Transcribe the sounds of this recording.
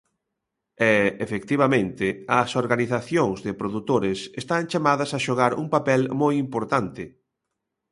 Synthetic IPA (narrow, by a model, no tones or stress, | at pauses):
ɛefek̚t̪iβɐmẽnt̪ɪɐsoɾɣaniθaθjoŋzðɪpɾoðut̪oɾɪsest̪aŋt͡ʃamaðɐsaʃoɣaɾṵŋpapɛlmojimpoɾt̪ant̪ɪ